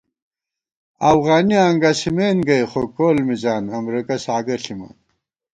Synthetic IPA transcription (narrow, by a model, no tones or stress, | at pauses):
ɐfɣaːniɐŋɡɐsimeːnɡɐjχokoːlmizaːnɐmɾikɐsaːɡɐɬimɐ̰n